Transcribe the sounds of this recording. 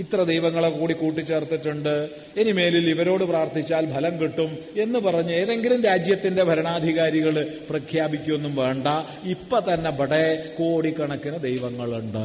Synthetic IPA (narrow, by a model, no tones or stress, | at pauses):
it̪rɐd̪ejʋɐŋːɐɭekːoːɽikuːʈ̬ːit͡ɕːe̞ːrt̪ːiʈːuɳɖɨ | e̞nime̞ːliliʋɐɾo̞ːɽɨpraːrt̪ʰit͡ɕːaːlbʱɐlɐmkiʈːume̞nːɨpɐrɐɲːue̞ːðe̞ŋɡilumɾaːd͡ʑjɐt̪ːinde̞bʱɐɾɐɳaːd̪ʱiɣaːɾiɣɐɭprɐkʰjaːbikʲːumenːumʋe̞ːɳɖɐ | ipːot̪ɐnːe̞bʱɐɽekoːɽikːɐɳɐkːunɐd̪ejʋɐŋːɐɭuɳɖɨ̰